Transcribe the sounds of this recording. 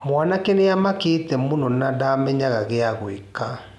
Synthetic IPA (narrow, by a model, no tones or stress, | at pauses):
mwanakeneamaketɛmonɔnadamɛɲaɣaɣeaɣweka